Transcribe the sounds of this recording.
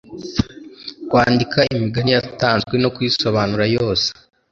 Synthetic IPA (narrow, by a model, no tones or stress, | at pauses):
kwaːndikʰaimiɡanijataːnzɡwe̞no̞kujiso̞βaːnuɾajo̞ːse̥